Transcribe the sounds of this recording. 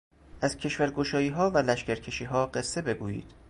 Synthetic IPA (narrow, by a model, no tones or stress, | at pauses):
ʔæzcʰe̞ʃvæɾɡoʃɒːjiːɦɒːvælæʃcʲæɾcʰe̞ʃiːɦɒːɢe̞sːe̞be̞ɡuːjḭːd̪̥